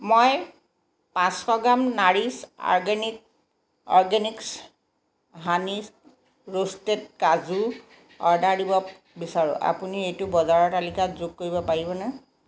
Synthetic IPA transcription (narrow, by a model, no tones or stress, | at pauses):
moj | pãskɔɡamnaɹisɔ̰ɹɡenik | ɔɹɡeniks | ɦanis | ɹostet̚kazu | ɔɹdaɹdibɔ | bisaɹʊ̰̃ʔa̰puniejtʊbɔzaɹɔtalikatzoɡ̚koɹibɔpaɹibɔna